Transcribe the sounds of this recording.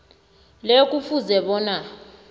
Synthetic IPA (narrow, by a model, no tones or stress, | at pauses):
lek̬ʼufuzɛɓɔːna